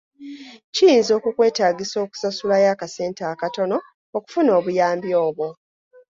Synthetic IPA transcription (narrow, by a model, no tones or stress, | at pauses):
cijiːnzo̞ːkukwe̞ːtaːɡiso̞ːku̥sasulajaːkase̞ːntaːkato̞no̞ː | ku̥funo̞ːβujaːmbjo̞ːβwo̞